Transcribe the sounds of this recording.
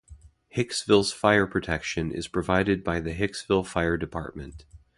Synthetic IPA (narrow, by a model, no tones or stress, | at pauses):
hɪksvɪlˠz̥faɪə˞pʰɹ̥ɨtʰɛkʃɨ̃nɪ̰z̥pʰɹ̥ɨvaɪɾɨd̚baɪðɨɦɪksvɪlˠfaɪə˞dɨpʰɑ̰ɹt̚mɨ̰̃nt